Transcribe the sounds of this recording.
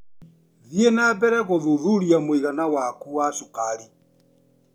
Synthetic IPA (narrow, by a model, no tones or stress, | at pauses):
ðienabɛɾɛɣoðuðuɾiamoiɣanawakuwasukaɾi